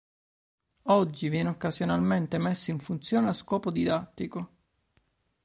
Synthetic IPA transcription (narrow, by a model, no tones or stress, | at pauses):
ɔd͡ʒːivjɛːneokːazjonalment̪emesːaiɱfunt̪sjoːneaskɔːpod̪id̪at̪ːiko